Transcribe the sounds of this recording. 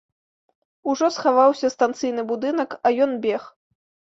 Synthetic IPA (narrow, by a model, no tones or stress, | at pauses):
uʐɔsxavawsʲɐst̪ant̪sɨjnɨbud̪ɨnɐkɐjɔnbʲɛx